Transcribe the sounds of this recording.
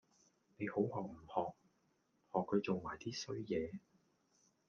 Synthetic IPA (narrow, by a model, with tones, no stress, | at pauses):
ne˨˧jho˨˥whɔː˨k̚m̩˨˩hɔː˨k̚ | hɔː˨kʰːɵ˨˧t͡so˨ŋmaː˨˩jt̪iː˥sɵ˥ɥjɛː˨˧